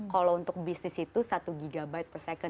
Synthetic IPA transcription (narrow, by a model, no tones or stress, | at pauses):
kalount̪ʊk̚bisnɪsit̪usat̪uɡiɡabaɪt̪̚pərsɛkə